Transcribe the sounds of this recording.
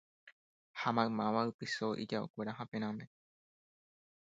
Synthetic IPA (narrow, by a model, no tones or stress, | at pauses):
hamãɨ̃mãʋaɨpɨsoʔḭd͡ʒaokʷe̞ɾaɦãpẽ̞ɾ̃ãmẽ̞